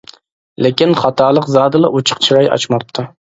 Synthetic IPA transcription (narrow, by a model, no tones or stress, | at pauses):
lekʲinχɑt̪ʰɑːlˠəqzɑːd̪ɨlˠɑʔot͡ʃʰə̥qt͡ʃʰiɾɑjɑ̰t͡ʃmɑp̚t̪ʰɨ